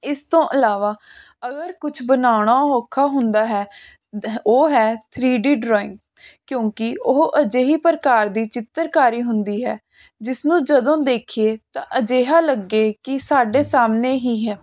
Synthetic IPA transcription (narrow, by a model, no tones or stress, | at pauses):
ɪst̪õːʔəlaːʋaː | əɡəɾkʊt͡ʃʰbənaːɽ̃aːɦoːkʰːaːɦʊnd̪aːɦɛː | oːɦɛːt̪ʰɾiːɖiːɖɾɔːɪŋɡ | kjõːkɪʊɦʔəd͡ʒeːɦiːpəɾəkaːɾd̪iːt͡ʃɪt̪ːəɾkaːɾiːɦʊnd̪iːɦɛː | d͡ʒɪsnũːd͡ʒəd̪õːd̪eːkʰieːt̪ã̰ːʔəd͡ʒeːɦaːləɡːeːkɪsaːɖeːsaːmneːɦiːɦɛː